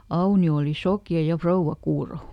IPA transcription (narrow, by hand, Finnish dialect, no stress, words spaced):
ɑunio oˑli sokjɑ jɑ frouʋːɑ kuːro